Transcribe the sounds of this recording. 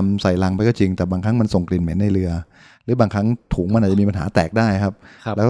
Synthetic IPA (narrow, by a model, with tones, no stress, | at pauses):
msa˨˩jla˧ŋpa˧jkɔː˥˩t͡ɕi˧ŋt̪ɛː˨˩baː˧ŋkʰa˦˥ŋma˧nso˨˩ŋkli˨˩nmeː˩˦nːa˧jɾɯ˧ɐ | ɾɯː˩˦baː˧ŋkʰa˦˥ŋt̪ʰuː˩˦ŋma˧nʔa˨˩t͡ɕa˨miː˧pa˧nɦaː˩˦˥t̪ɛː˨˩k̚daː˥˩jkʰa˦˥p̚lːɛː˦˥k